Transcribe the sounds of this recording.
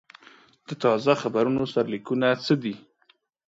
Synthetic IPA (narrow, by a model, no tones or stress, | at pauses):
d̪̥ət̪ɑzaxabaɾunosaɾalikunat͡səd̪i